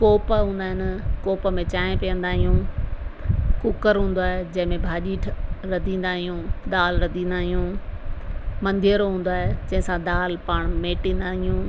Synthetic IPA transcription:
koːpəɦũːn̆d̪aːɦɪnɪkoːpəmẽt͡ɕaːɪ̃pijə̃nd̪aːɦijũː | kʊkəɾɦũːn̆d̪oaːɦed͡ʑɐ̃ɦɪ̃mẽbʱaːʄiːʈʰɾɐd̪ʱĩːnd̪aːɦijũːd̪aːlɾɐd̪ʱĩːnd̪aːɦijũ | mɐ̃nd̪ʱijəɾoɦũːn̆d̪aːɦed͡ʑɐ̃ɦɪ̃sãd̪aːlpaːɽ̃meːʈĩːn̆d̪aːɦijũː

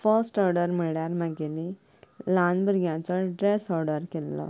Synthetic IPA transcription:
fəɾsʈɔɾɖəɾm̤iɭjaɾməɡeni | lanbəɾɡjãt͡səɖɾesɔɾɖəɾkɛlːə̰

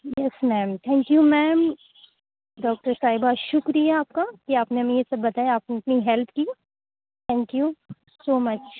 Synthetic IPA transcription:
jɛsmɛ̃ːmt̪ʰɛ̃ːŋkjumɛːm | ɖɔːk̚ʈəɾsaːɦɪbaʃʊkɾijaaːp̚kakiaːpneɦɐmẽjesɐbːɐt̪aːjeaːpnɐpniɦɛlpʰki | t̪ʰɛ̃ːŋkju | soːmɐt͡ʃ

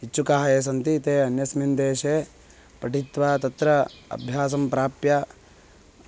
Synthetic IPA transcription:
ɦit͡ʃːukaːɦɐjeːs̬ɐnt̪iːt̪eːɐnjɐsmind̪eːʃeː | pɐʈit̪ʋaːt̪ɐt̪ɾɐɐ̰bʱjaːs̬ɐmpɾaːpjɐ

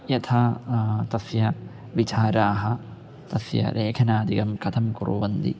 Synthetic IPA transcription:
jɐt̪ʰaːt̪ɐsjɐ | ʋit͡ʃaːɾaːɦɐ | t̪ɐsjɐ̰ɾʔeːkʰɐnaːd̪iɡɐmkɐt̪ʰɐmkuɾṵʋɐnd̪ḭ

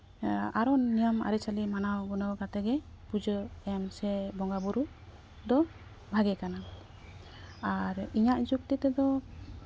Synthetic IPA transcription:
aɾɔnijama̰ɾit͡ʃʰalimanawɡunawɡat̪ɛɡɛ | pud͡ʒəɛmsɛbɔŋɡabuɾu | d̪ɔ | bʱaɡɛkana | aɾiɲaʔd͡ʒuk̚t̪it̪ɛd̪ɔ

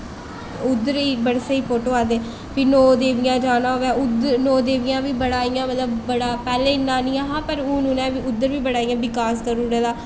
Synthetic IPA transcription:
ʊd̪əɾiːbəɽseiːpoːʈoːaːd̪eː | pɪnoːd̪eːʋɪjãːd͡ʒaːnãːʋɛːʊd̪nɔːd̪eːʋɪjãːʋiːbəɽaːijãːmət̪ləbːəɽaːpɛːleːɪnãːnĩːaːɦãːpəɾuːnũːnɛ̃ːʋiːʊd̪ːəɾʋiːbəɽaːijãːʋɪkaːskəɾuːɾeːd̪aː

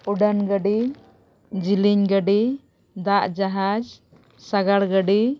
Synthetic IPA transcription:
uɖanɡəɖi | d͡ʒiliɲɡəɖi | d̪aʔd͡ʒaɦad͡ʒ | saɡaɽɡəɖi

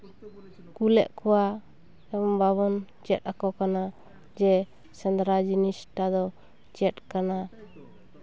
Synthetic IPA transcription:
kulɛ̰ʔkɔwa | ɛɔmbaβɔn | t͡ʃɛt̪̚akɔkana | d͡ʒɛ | sɛnd̪ɾad͡ʒinisʈad̪ɔ | t͡ʃɛt̚kana

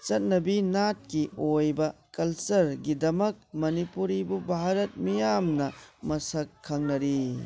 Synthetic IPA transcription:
t͡ʃɐt̚nɐbinat̚kiojbɐkɐlsɐɾɡidɐmɐk̚mɐnipuɾibubʱaɾɐt̚mijamnɐmɐsɐkʰːɐŋnɐɾi

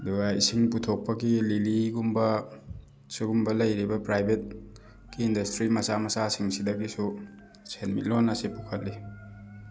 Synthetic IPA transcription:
ɐduɡɐḭsiŋputʰok̚pɐɡililiɡumbɐ | suɡumbɐlɐjɾibɐpɾajbʱet̚ | kiːndɐstɾimɐsamɐsasiŋsidɐɡisu | senmit̚lonɐsipukʰɐt̚li

